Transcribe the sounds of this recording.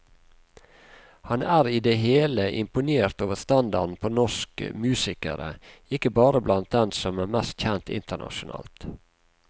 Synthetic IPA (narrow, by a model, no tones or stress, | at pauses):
hɑnæːɾiːd̪eɦeːləʔɪmpʊneːɾt̪oːʋəst̪ɑnd̪ɑ̰ɾnpʰoːnɔʃkə̰mʉːsɪkə̰ɾə̰ɪkəbɑːɾəblɑnt̪̚d̪ɛnsɔmæːɾmɛst̪çɛnt̪ɪ̰nt̪əɳɑ̰ʃʊnɑ̰ːlt̪